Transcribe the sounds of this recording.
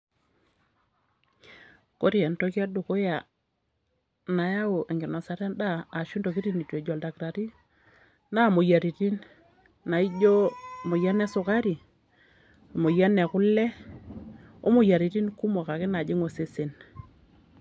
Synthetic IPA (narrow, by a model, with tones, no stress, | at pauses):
ko˦ɾi˦ɛ˨nto˦kɛ˦du˨ko˦ja˨ | na˨ja˦o˨ʔe˨ŋɡi˨na˨sa˦ɾɛ˦ndaː˦˨ʃu˦ndo˨ki˦ɾi˦ni˨te˨d͡ʒɔ˨lda˨kɾa˨ɾi˦ | na˦˨mo˨ja˨ɾi˨ti˦nː | a˨i˦d͡ʒo˦mo˨ja˦nɛ˦sʊ˨ka˦ɾi˨ | mo˨ja˦nɛ˨ku˦lːɛ˦ | o̰˦mu˨ja˨ɾi˨ɾi˦nku˦mo˨ka˨kɪ˦na˨d͡ʒi˦ŋo˨se˨se˨n